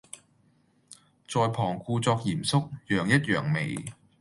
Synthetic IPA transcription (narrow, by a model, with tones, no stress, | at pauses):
t͡sɔː˧jpʰɔː˨˩ŋkuː˧t͡sɔː˧k̚jiː˨˩msʊ˥k̚jœː˨˩ŋjɐ˥t̚jœː˨˩ŋme˨˩j